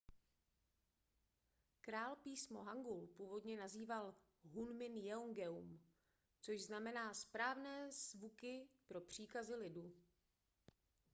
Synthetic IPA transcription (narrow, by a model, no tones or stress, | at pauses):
kɾaːlpiːsmo̞ɦaŋɡulpuːvo̞dɲɛnaziːval | ɦunmɪnjɛoŋɡɛum | t͡soʒznamɛnaːspɾaːvnɛːzvukɪpɾo̞pr̝̥iːkazɪlɪduː